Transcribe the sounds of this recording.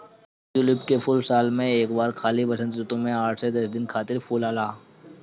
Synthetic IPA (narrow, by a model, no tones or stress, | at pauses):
d͡ʒʊlɪpkepʰʊlsaːlmẽeːkbaːɾkʰaːlipɐsə̃nd̪ɾʊt̪õmẽaːʈʰsed̪ɐsd̪ɪnkʰaːt̪ɪɾpʰuːlaːlaː